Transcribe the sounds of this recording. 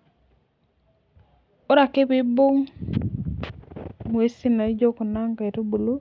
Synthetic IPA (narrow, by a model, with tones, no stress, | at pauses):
o˦ɾa˨kɪ˦bɪ˦bo˦ŋ | mu˨e˦si˦na˨˦d͡ʒo˦ko˨na˦ŋka˨e˨to˦bu˨lo˦